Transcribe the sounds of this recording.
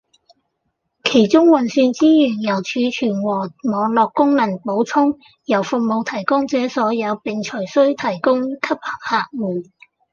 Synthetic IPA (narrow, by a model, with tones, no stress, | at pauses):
kʰe˨˩jt͡sʊ˥ŋwɐ˨nsyː˧nt͡siː˥jyː˨˩njɐ˨˩wt͡ʃʰyː˨˧t͡ʃʰyː˨˩nwɔː˨˩mɔː˨˧ŋlɔː˨˧kːʊ˥ŋnɐ˨˩npo˨˥wt͡sʰʊ˥ŋ | jɐ˨˩wfʊ˨k̚mo˨˧wt̪ʰɐ˨˩jkʊ˥ŋt͡sɛː˨˥sɔː˨˥jɐ˨˧wpɪ˨˧ŋt͡ʃʰɵ˨˩jsɵ˥ɥt̪ʰɐ˨˩jkʊ˥ŋkʰɐ˥p̚hɐ̥˨˩p̚haː˨˧k̚wuː˨˩